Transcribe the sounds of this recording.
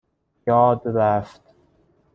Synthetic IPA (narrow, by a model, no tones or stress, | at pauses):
jɒːd̪ɾæft̪